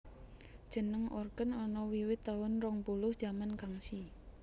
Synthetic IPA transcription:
d̥ʒ̥ə̤nəŋʔɔ̰rɡ̥ənɔnɔwiwɪt̪ːawʊnrɔŋbulʊhd̥ʒ̥amankaŋsi

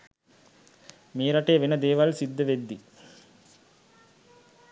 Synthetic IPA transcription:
meːɾaʈeːʋenəd̪eːʋalsid̪ːəʋed̪ːi

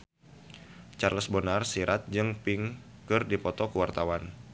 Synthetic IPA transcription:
t͡ʃarləsbənarsiɾʔat̪̚d͡ʒɨŋpɪŋ | kɨrdipɔt̪ɔkəwart̪awan

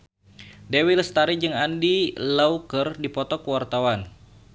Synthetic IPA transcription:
dewilst̪aɾid͡ʒɨŋandilaukərdipɔt̪ɔkəwart̪awan

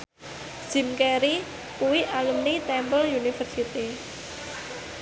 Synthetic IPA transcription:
ʒ̥i̤mkeɾi | kuwiʔalumnit̪ɛmpəljunifərsit̪i

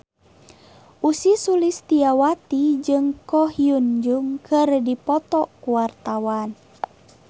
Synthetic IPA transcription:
ʔusisulist̪iawat̪id͡ʒɨŋkɔɦiund͡ʒuŋkɨrdipɔt̪ɔkuwart̪awan

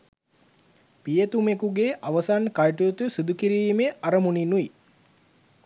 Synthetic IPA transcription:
pijət̪umekuɡeʔaʋəsankajʈut̪usid̪ukiɾiːmeʔaɾəmuninui

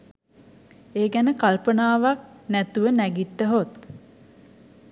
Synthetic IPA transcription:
eːɡænəkalpənaːʋak̚næt̪uʋənæɡit̪ːəɦot̪̚

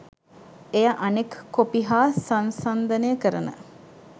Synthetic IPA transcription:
ejaʔanekkːopiɦaːsansand̪ənəjəkəɾənə̰

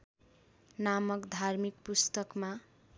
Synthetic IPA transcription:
namʌkd̪ʱarmik̚pust̪ʌkma

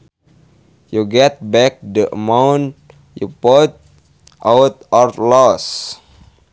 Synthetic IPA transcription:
juɡɛt̪̚bɛk̚dəʔə̰mawn | jupɔt̪̚ | ʔawt̪̚ɔrlɔs

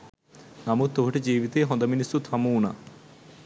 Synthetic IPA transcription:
namut̪ːoɦuʈed͡ʒiːʋit̪eɦɔ̃nd̪ɐminisut̪ʰɐmuːna

